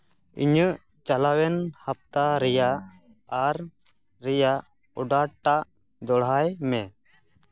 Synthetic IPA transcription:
ḭɲəʔ | t͡ʃalawɛnhap̚t̪aɾɛjaʔ | aɾː | ɛjaʔ | ɔɖaʈaʔ | d̪ɔɽɦajmɛ

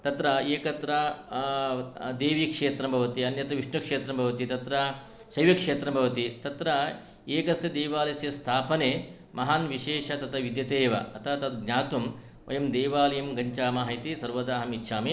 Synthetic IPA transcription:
t̪ɐt̪ɾɐeːkɐt̪ɾɐ | d̪eːʋiːkʂeːt̪ɾɐmbʱɐʋɐt̪iɐnjɐt̪ɐʋiʂnɐkʂeːt̪ɾɐmbʱɐʋɐt̪it̪ɐt̪ɾɐ | sɐjʋɐkʂeːt̪ɾɐmbʱɐʋɐt̪it̪ɐt̪ɾɐ | eːkɐsjɐd̪eːʋaːlɐsjɐst̪ʰaːpɐneː | mʔɐɦaːnʋiʃeːʃɐt̪ɐt̪ʰɐʋid̪jɐt̪eːʋɐ̰ɐt̪ʰɐt̪ɐt̪ɡɲaːt̪um | ʔɐ̰jɐmd̪eːʋaːlɐjɐmɡɐɲt͡ʃaːmaːɦɐjit̪isɐɾʋɐd̪aːɦɐmitːʃʰaːmi

